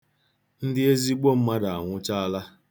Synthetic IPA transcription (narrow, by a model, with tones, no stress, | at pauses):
n̩˦dɪ˦e˦zi˦ɡ͡bo˦m̩˦ma˦da˨a˨ŋʷʊ˦t͡ʃa˦a˦la˦